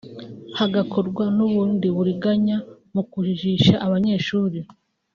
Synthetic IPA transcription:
haɡakʰo̞ɾɡwanuβuːndiβuɾiɡaɲa | mukuʒiʒiʃaʔaβaɲe̞ːʃuːɾi

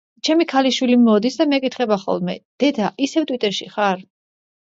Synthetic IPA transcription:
t͡ʃʰɛmikʰaliʃwilimɔd̪isd̪amɛkʼit̪ʰχɛbaχɔ̰lˠmɛd̪̥ɛd̪aʔisɛvt̪ʼwit̪ʼɛɾʃḭχaɾ

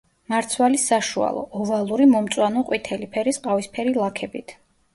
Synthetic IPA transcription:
maɾt̪sʰwalisaʃua̰lˠɔ̰ɔvalˠuɾimɔmt̪sʼwanɔqʼwit̪ʰɛlipʰɛɾisqʼavispʰɛɾilˠakʰɛbit̪ʰ

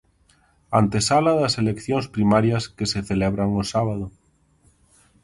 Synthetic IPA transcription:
ant̪esalaðaselekθjoŋspɾimaɾjaskeseθeleβɾaŋosaβ̞aðo

